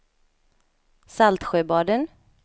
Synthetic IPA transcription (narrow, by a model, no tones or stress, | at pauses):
salt̪ɧøːbɑːɖən